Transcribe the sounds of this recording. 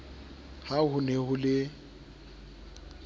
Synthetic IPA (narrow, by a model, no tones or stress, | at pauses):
hahʊnehʊlɪ